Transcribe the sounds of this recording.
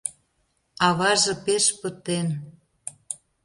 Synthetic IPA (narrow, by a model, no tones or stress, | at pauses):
ɑβɑʒɤ̆peʃpə̆t̪en